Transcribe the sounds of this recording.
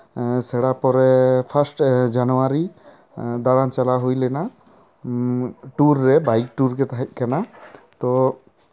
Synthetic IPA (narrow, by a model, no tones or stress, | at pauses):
sɛɽapɔɾɛpʰasʈd͡ʒanuwaɾi | d̪aɽant͡ʃalaɦujlɛna | ʈuɾːɛbajk̚ʈuɾɡɛt̪aɦɛt̪̚ˀkanat̪ɔ